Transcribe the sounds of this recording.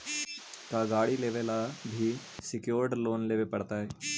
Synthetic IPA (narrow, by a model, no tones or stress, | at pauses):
kaɡaːɽileːʋelabʱi | sɪkjoːɾɖloːnleːʋepɐɽt̪aɦɛː